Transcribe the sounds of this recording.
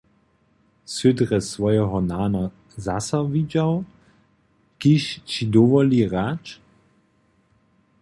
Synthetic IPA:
sødʁɛsʋɔjɛɦɔnaːna | zasɐvid͡ʑaw | kiʃt͡ɕidɔʋɔliʁat͡ʃ

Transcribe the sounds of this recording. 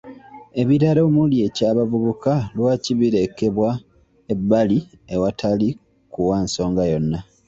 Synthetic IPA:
e̞βiɾaɾoːmulje̞caːβavuβukalwaːciβiɾe̞ke̞βwa | e̞bːali | ewatʰali | kuwaːnso̞ːŋɡajo̞nːa

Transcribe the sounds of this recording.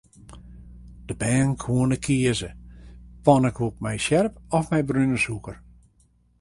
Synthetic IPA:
d̥əbɛːnkʰwuənəkʰiəzəpɔnəkup̚mɛjsjɛrpɔfmɛjbrynəsukər

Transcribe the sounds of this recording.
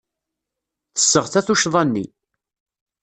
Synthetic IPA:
θə̥sːəʁθæθuʃðˤɑnːḭ

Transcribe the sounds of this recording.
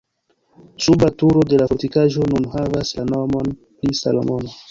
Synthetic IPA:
subatuɾo̞de̞lafoɾtikaʒo̞nunhavaslano̞mo̞n | pɾisa̰lo̰mo̞no

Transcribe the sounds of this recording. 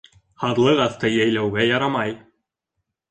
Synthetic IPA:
hɑt̪lˠɤʁɑθt̪ɤjæjlæwɡæjɑɾɑmɑj

